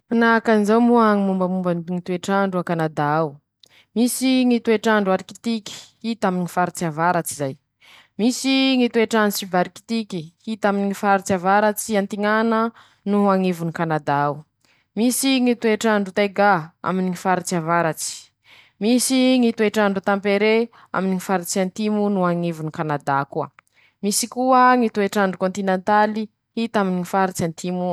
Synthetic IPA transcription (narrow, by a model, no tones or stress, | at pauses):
anakanzawmuaŋimumbəmumbəniŋit̪ueʈ͡ʂaɳɖ͡ʐuakanad̪aaw | misiŋit̪ueʈ͡ʂaɳɖ͡ʐuaɾiki̥t̪ikʲi̥hit̪aminŋifaɾit͡siavaɾat͡sizaj | misiŋit̪ueʈ͡ʂanɖ͡ʐusibaɾiki̥t̪ikihit̪aminiifaɾit͡siavaɾat͡siant̪iŋanə | nuɦaŋivunikanad̪aaw | misiŋit̪ueʈ͡ʂaɳɖ͡ʐut̪eɡaa̰miniŋifaɾit͡ʃiavaɾat͡si̥ | misiŋit̪ueʈ͡ʂaɳɖ͡ʐut̪ampeɾe | a̰miniŋifaɾit͡siant̪imunuaŋevunikanad̪akua̰ | misikuəŋit̪ueʈ͡ʂaɳɖ͡ʐukõnt̪inent̪ali | hit̪aminiŋifaɾit͡ʃant̪imu